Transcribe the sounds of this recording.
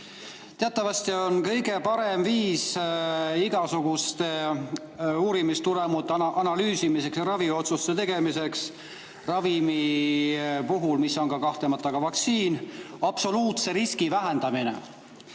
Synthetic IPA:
t̪eɑt̪ːˑɑvɑst̪io̞nkɤjɡe̞pɑɾemviːs | iɡ̥ɑsuɡ̥ust̪e̞ | uːɾimist̪uɾemut̪ːˑʔɑnɑlyːsimise̞ksjɑɾɑvio̞t̪sust̪ːet̪e̞ɡ̥e̞mise̞ks | rɑvimi | puɦulmisːo̞nkɑkɑht̪lemɑt̪ːˑɑɡ̥ɑvɑkt̪siːnɑb̥so̞luːt̪se̞ɾiskivæɦe̞nd̪̥ɑminḛ

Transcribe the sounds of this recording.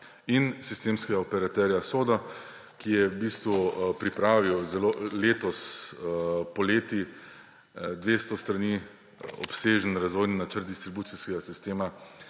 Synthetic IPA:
insist̪eːmskɛɡaɔpɛɾat̪ɛɾjasoːd̪a | kijɛbiːst̪ʋupɾipɾaːʋiwzɛloːleːt̪ɔs | pɔleːt̪i | d̪ʋeːst̪ɔst̪ɾani | ɔ̰pseːʒənɾazʋɔjninat͡ʃəɾt̪̚d̪ist̪ɾibuːt̪siskɛɡasist̪eːma

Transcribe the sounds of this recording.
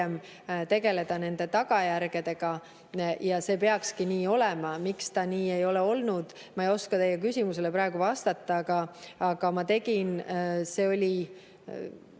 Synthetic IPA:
em | t̪e̞ɡe̞le̞d̪̥ɑne̞nd̪̥e̞t̪ɑɡ̥ɑjæɾɡ̥e̞d̪e̞ɡ̥ɑ | jɑse̞ːpe̞ɑkskiniːo̞lɛmɑmikst̪ɑniːe̞jo̞leo̞lnud̪̥ | mɑejo̞skɑt̪e̞jːɛk̬ysʲimuse̞le̞pɾɑeɡ̥uvɑst̪ɑt̪ːˑɑɡ̥ɑːɡ̥ɑmɑt̪e̞ɡ̥inse̞ːo̞lʲi

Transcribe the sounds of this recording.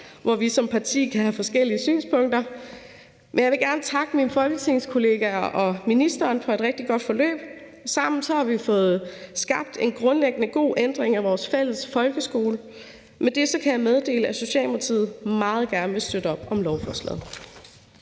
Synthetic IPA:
ʋɒʋisɒ̽mpʰɑ̈t͡sʰḭːkʰæɦæfɒ̽sɡ̥el̰iəsy̰ːnspʰɔ̽ŋ̰d̥ɐ | mʔenjɑɪʋe̝ɡ̥æɐnət͡sʰɑ̈ɡ̥əminfɒ̽lɡ̥ət͡sʰe̝ŋskʰo̝le̝ːɡ̥æʔɒ̽minisd̥ɐːnfɒ̽e̝d̥ʁɛɡ̥̚d̥iɡ̥ɒ̽d̥fɒ̽lø̰ːb̥ | sɑ̈m̰n̩sɒ̽hɑ̈ʋifɔ̽ːð̞̩ˠsɡ̥ɑ̈b̥̚d̥e̝nɡ̥ʁɔ̽nleɡ̥ənəɡ̥o̝̰ːʔend̥ʁeŋæʋɒːsfel̰əsfɒ̽lɡ̥əsɡ̥o̝ːlə | med̥e̝sɒ̽kʰæjɑ̈ɪmeð̞ˠd̥e̝̰ːləæso̝ɕiɛ̰ːlpʰɑ̈t͡sʰḭːð̩ˠmɑ̈ːð̞̩ˠɡ̥æɐnʋe̝sd̥ød̥əɒ̽b̥ɒ̽mlɒʊfɒːslɛ̰ð̩ˠ

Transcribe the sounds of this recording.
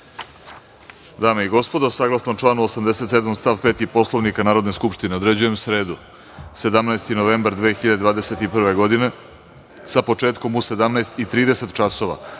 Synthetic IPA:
d̪aːmeiɡo̞spo̞d̪asaːɡlˠasnomʈ͡ʂlˠaːnuosamd̪ese̞t̪se̞d̪momst̪aːʋpe̞ːt̪ipo̞slˠoʋnikanaːɾod̪neskupʂt̪ineo̞d̪ɾe̞d͡ʑuje̞msɾe̞ːd̪u | se̞d̪amnajst̪ino̞ʋe̞ːmbaɾd̪ʋeːxiʎad̪ed̪vaːd̪ese̞t̪ipr̩ʋe̞ɡo̞d̪ine̞ | sapo̞t͡ʂeːt̪ko̞muse̞d̪amnaest̪it̪ɾiːd̪e̞se̞t̪t͡ʃaso̞ʋa̰

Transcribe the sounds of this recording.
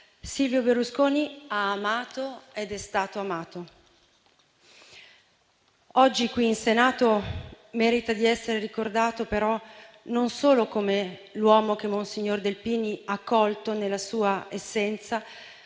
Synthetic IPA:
silvjoberːuskoːniaːmaːt̪oed̪ɛst̪aːt̪oamaːt̪o | ɔd͡ʒːikwiːnsenaːt̪o | mɛːɾit̪ad̪iɛsːeɾeɾikord̪aːt̪opeɾɔ | nonsoːlokomelwɔːmok̟emːonsiɲːord̪elpiːniakːɔlt̪onelːasuːaesːɛnt̪sa

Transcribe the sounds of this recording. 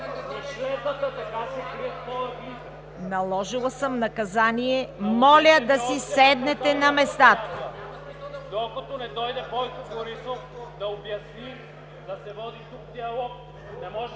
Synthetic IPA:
ɛʃɛt̪ət̪ət̪ɐkasɛkɾiɛt̪nɔɐvi | nɐlˠɔʒilˠɐsəmnɐkɐzaniɛmɔlʲɐd̪ɐsisɛd̪nɛt̪ɛnɐmɛst̪at̪ə̥ | d̪okɐt̪ɔnɛd̪ɔjd̪ɛpɔjk̪okoɾisofd̪ɐobjɐsni | d̪ɐsɛvɔd̪it̪uk̚d̪iɐlˠɔk̚ | nɛmɔʒ

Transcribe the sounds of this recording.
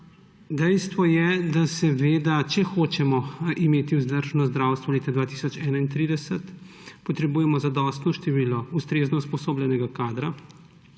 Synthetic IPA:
d̪ɛjst̪ʋɔjɛd̪asɛʋeːd̪at͡ʃɛxoːt͡ʃɛmɔimeːt̪iuzd̪əɾʒnɔzd̪ɾawst̪ʋɔleːt̪ad̪ʋaːt̪iːsɔt͡ʃɛːnaint̪ɾiːd̪ɛsɛt̪ | pɔt̪ɾɛbuːjɛmɔzad̪ɔst̪nɔʃt̪ɛʋiːlɔust̪ɾeznɔuspɔsoːblʲjɛnɛɡakaːd̪ɾa

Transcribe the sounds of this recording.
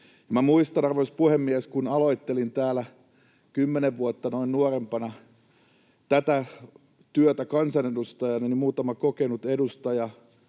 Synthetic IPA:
jɑmæmuist̪ɑnɑrʋoispuhemːieskunɑloit̪ːelint̪æːlæ | kymːeneʋʋuot̪ːɑnoinnuorempɑnɑ | t̪æt̪æ | t̪yøt̪ækɑnsɑnedust̪ɑjɑnonimuːt̪ɑmɑkokenut̪edust̪ɑjɑ

